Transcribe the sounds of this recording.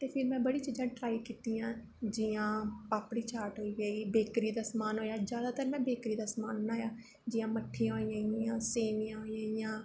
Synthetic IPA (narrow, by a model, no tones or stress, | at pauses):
t̪eːpʰɪɾmɛ̃ːbəɽiːt͡ʃiːd͡ʒãːʈɾaːikiːt̪iːjãː | d͡ʒɪjãːpaːpɽiːt͡ʃaːɾʈɦoːiːɡaːiːbeːkɾiːd̪aːsəmaːnɦoːjaːd͡ʒjaːd̪aːt̪əɾmɛ̃ːbeːkɾiːd̪aːsəmaːnːaːjaː | d͡ʒɪjãːməʈʰːiãːɦoijãːiãːseːnijãːɦoːijãːijãː